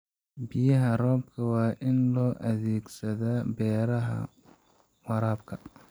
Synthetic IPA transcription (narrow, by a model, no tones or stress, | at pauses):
bɪjɐɦɐrɔːb̚kʰɐwɑːʔɪnlɔːʔɐðɛːɡsɐðɐːbɛːɾɐɦɐ̰ | wɑɾaːb̚kʰɐ